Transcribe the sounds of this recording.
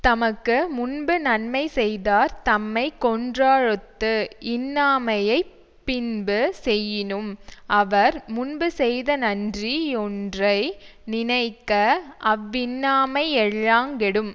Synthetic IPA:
t̪ɐmɐkːɯmʊnbɯnɐnmɐɪsɛjðaːɾt̪ɐmːɐɪkːɔndraːɻɯt̪ːɯɪnːaːmɐjɐɪ | pːɪnbɯsɛjːɪnɯmʔɐʋɐɾmʊnbɯsɛjðɐnɐndriɔndrɐɪnɪnɐɪkːɐɐʋːɪnːaːmɐɪɛɭːaːŋɡɛɽɯm

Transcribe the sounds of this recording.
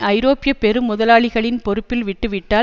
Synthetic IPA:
ɐɪɾoːpɪjɐpɛɾɯmʊðɐlaːɭɪɣɐɭɪnpɔɾɯpːɪlʋɪʈːɯʋɪʈːaː

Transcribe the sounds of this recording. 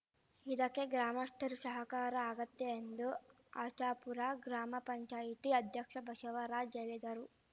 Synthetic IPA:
id̪ɐkːeɡɾaːmɐst̪ʰɐɾusɐɦɐkaːɾɐaːɡɐt̪ːeːnd̪u | aːt͡ʃaːpuɾaɡɾaːmɐpɐɲt͡ʃaːjit̪iɐd̪ʱjɐkʂɐbʱɐʃɐʋɐɾaːd͡ʒɐlid̪ɐɾu

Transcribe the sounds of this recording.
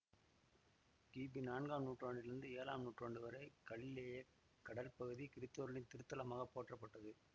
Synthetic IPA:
kiːbinaːɳɡaːmnuːʈraːɳɖɪɾɯnd̪ɯeːla̰ːmnuːʈraːɳɖɯʋɐɾɐɪkɐɭɪleːjɐ | kːɐɽɐlpɐɣɯðikɪɾɪt̪ːoːɾɯɭɪnt̪ɪɾɯt̪ːɐlɐmaːɣɐpːoːʈrɐpːɐʈːɐðɯ

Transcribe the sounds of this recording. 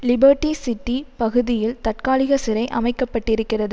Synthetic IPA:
lɪbɐɾʈːisɪʈːipɐɣɯðɪjɪlt̪ɐʈ̚kaːlɪɣɐsɪɾɐɪʔɐ̰mɐɪkːɐpːɐʈːɪɾɯkːɪrɐðɯ

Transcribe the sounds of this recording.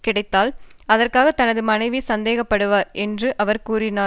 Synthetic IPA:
kɪɽɐɪt̪ːaːlɐðɐrkaːɣɐt̪ːɐnɐðɯmɐnɐɪʋisɐnd̪eːɣɐpːɐɽɯʋaːɾʔɛndrɯʔɐʋɐɾkuːɾɪnaː

